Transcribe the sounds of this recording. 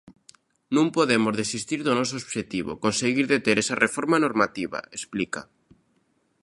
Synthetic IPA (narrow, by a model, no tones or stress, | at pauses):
nũmpoðemozðesist̪iɾðonos̬oːβʃet̪iβ̞o̰konseɣiɾðet̪eɾesarefoɾmanoɾmat̪iβa̰esplika